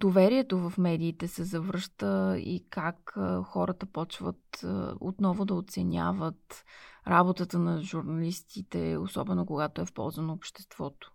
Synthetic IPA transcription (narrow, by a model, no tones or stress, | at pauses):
d̪ovɛɾiɛt̪ovɐfmɛd̪iːt̪ɛsɛzɐvɾɤʃt̪əḭkakxɔɾət̪əpɔt͡ʃvə̰t̪o̰t̪nɔvʊd̪ɐot̪sɛnʲa̰vət̪ɾabot̪ət̪ənɐʒuɾnɐlist̪it̪ɛ̰o̰sɔ̰bɛnokoɡat̪oɛfpɔ̰lˠzvənoːpʃt̪ɛ̥st̪v̥ɔt̪o̥